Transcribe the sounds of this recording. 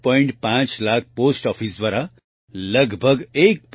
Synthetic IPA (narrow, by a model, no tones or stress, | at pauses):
pɔiɳʈpãt͡ʃlak̚ʰposʈɔpʰisd̪ʋaɾa | ləɡbʱəɡek̚p